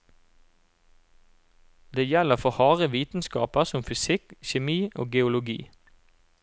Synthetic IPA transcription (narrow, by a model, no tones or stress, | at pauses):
d̪eːjɛləʁfɔhɑːʁəʋiːt̪n̩skɑ̰ːpəʁsɔmfʏsɪkçɛmiːʔo̰ːɡɛʊlʊɡḭː